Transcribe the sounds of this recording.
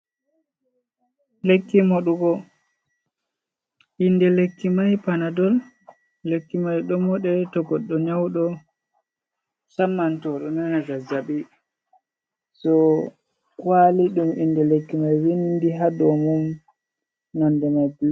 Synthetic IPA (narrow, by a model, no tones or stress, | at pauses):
lekːimoɗuɡɔ | ʔinːdɛlekːimajpanadɔl | lekːimajɗɔmɔɗɛtɔɡɔɗːɔɲawɗɔ | samːantɔɗɔnanaɡazaɓi | sɔ | waliɗumindɛlekːimajwindiɦadɔmum | nandɛmajb